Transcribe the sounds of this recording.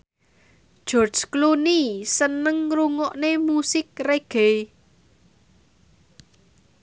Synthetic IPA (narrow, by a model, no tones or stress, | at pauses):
d̥ʒ̥ɔrd̥sklunisənəŋruŋɔʔnemusɪk̚reɡ̥e